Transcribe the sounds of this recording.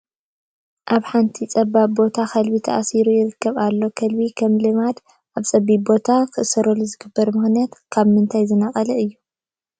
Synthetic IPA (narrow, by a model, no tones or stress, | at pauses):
ʔaβħant̪ʰit͡sʼɐbːaβbo̞t̪ʰaxɐlbit̪ʰɐʔasiɾujɪɾɨkʰːɐβalːo̞kʰɐlbikʰɐmlɨmad̪ | ʔaβt͡sʼɐbibo̞t̪ʰakʰɨʔɨsɐɾoluzɨɡɨbːɐɾmɨxnijat̪kʰaβmɨnt̪ʰajzɨnɐχʼɐlɐɨjːu